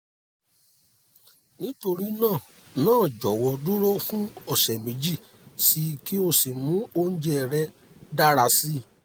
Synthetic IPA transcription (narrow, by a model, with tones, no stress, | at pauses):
nĩ˦to˧ɾi˦nãː˦˨ | nãː˦˨d͡ʒɔ˨wɔ˧du˦ɾo˦fũ˦ɔ˦˨ʃɛ˨mĩ˨˦d͡ʒi˦˨ | si˧ki˦o˧si˨mũ˨˦o˦ñ̩˦d͡ʒɛ˦˨ɾɛ˧ | da˦ɾa˧si˦